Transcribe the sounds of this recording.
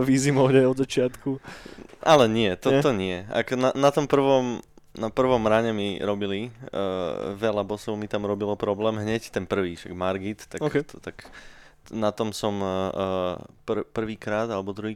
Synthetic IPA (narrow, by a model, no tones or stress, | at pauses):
ʋiːzimɔɦɲajɔd̪zat͡ʃɪat̪ku | alɛɲɪɛt̪ɔt̪ɔɲɪɛa̰knanat̪ɔmpr̩ʋɔm | napr̩ʋɔmɾaːɲɛmiɾɔbilḭ | ʋɛlabɔsɔʊmit̪amɾɔbilɔpɾɔblɛːmɦɲɛct̪ɛnpr̩ʋiːʃa̰ɡmaɾɡit̪ːakt̪ɔt̪ak | nat̪ɔmsɔmː | prpr̩ʋiːkɾaːd̪alɛbɔd̪ɾuɦiː